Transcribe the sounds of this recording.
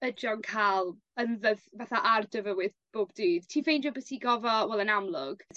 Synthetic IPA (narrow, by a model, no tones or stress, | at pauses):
əd͡ʒɔnkʰaːlˠ | ənðəðvaθaʔardəvəwɪðb̥oːbdɨːd̥tʰiːvejnd͡ʒɔbəθiɡɔvɔwɛlˠənamlˠʊɡ̥